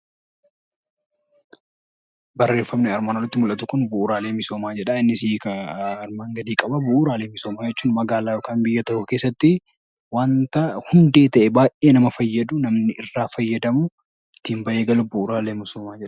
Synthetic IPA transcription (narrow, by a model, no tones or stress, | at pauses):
bɐrːe̞ːfːɐmnɛɐɾmaːnɔrːɐt̪ːɪmʊlʔɐt̪ʊkʊnbʊʔːɾaːleːmɪso̞ːmaːd͡ʒɛᶑɐɪnːɪsikɐɐɾmaːŋɡɐd̪iːkʼɐbɐbʊʔuːɾaːle̞ːmɪsoːmaːd͡ʒɛt͡ʃːuːnmɐɡaːlaːjo̞ːkaːnbɪjːɐt̪ɐhʊke̞ːsːɐt̪ːɪ | waːnt̪ɐhʊnd̪e̞ːt̪ɐʔɛbaːjʔʔeːnɐmɐfɐjːɐd̪ʊnɐmnɪɪrːaːfɐjːɐd̪ɐmʊ | ɪt̪ːiːmbɐʔeːɡɐlʊbʊːɾaːleːmɪsoːmaːd͡ʒɛᶑɐ̥